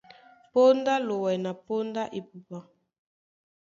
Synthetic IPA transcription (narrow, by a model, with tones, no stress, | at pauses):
po˦nda˦lo˨wɛ˨na˨po˦nda˦ʔe˨pu˨pa˦˨